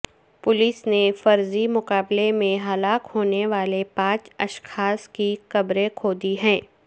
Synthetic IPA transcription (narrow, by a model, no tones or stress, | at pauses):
pʊlɪsnefɐɾzimʊkaːblemẽɦɐlaːkhoːneʋaːlepãːt͡ʃɐʃxaːskikɐbɾekʰoːd̪iɦɛ̃ː